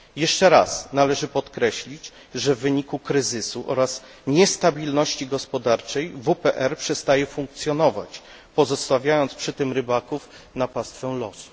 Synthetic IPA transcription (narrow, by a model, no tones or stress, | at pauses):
jɛʂt͡ʂɛɾa̰snalɛʐɘpɔt̪kɾɛɕlʲid͡ʑ | ʐɛvːɘɲikukɾɘzɘsuʔɔ̰ɾas | ɲɛst̪abʲilnɔɕt͡ɕiɡɔspɔd̪aɾt͡ʂɛjvupɛʔɛɾpʂɛst̪ajɛfuŋk̚t̪sʲjɔnɔva̰t͡ɕ | pɔzɔst̪avʲjajɔnt̪spʂɘt̪ɘmɾɘbakuf | napast̪fɛw̃lɔsu̥